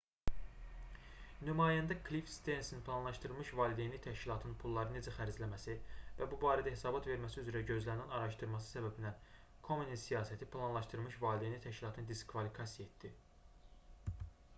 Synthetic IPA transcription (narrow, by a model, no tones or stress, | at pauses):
nymɑːjænd̪ækʰlifst̪ensinpʰlˠɑnlˠɑʃt̪ɯɾlˠmɯʃvɑːlid̪enit̪ʰæʃcilˠɑt̪ʰɯnpʰulˠːɑɾɯne̞d͡ʒæxæɾd͡ʒlæmæsivæbubɑːɾæd̪æhe̞sɑːbɑt̪ve̞ɾmæsiyzɾæɟø̞zlænænɑɾɑʃt̪ɯɾmɑsɯ̥sæbæbinæ | kʰo̞menisijɑːsæt̪ʰipʰlˠɑnlˠɑʃt̪ɯɾmɯʃvɑːlʲid̪enit̪ʰæʃcilˠɑt̪ʰɯnd̪iskʰvɑlikʰɑsijet̪d̪i